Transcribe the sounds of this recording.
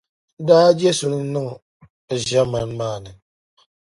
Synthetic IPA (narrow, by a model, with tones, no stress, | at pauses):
daː˦d͡ʒɛ˦sʊ˨n˦nɨ˦ŋ˨ | ʒɛ˦ma˦nmaː˦˨nɨ˨